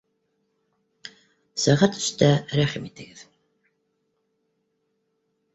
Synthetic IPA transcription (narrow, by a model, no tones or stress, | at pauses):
sæʁɑt̪ɵ̥̆ʃt̪æɾæχimit̪ɘ̆ɡɘð̥